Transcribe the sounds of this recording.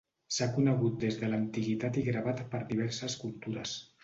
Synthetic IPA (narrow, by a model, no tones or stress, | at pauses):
sakunəɣ̞ut̪̚d̪ezðələnt̪iɣit̪at̪iɣɾaβ̞at̪pəɾðiβ̞ɛɾsəskulˠt̪uɾəs